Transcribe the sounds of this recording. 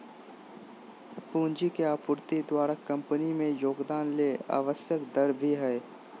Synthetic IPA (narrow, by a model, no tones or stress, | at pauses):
puːnd͡ʒikeaːpʊɾt̪id̪waːɾakɐ̃mpənimẽjoːɡd̪aːnleːa̰ːʋəsjəkd̪ɐɽbʱiɦɛː